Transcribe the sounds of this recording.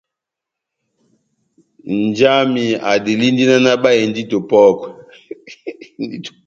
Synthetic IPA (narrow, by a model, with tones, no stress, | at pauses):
nd͡ʒa˦mi˨a˨di˨li˦ndi˦na˦na˦ba˦jɛ˨ndi˦to˨pɔ˦kwɛ˨ | ndi˦t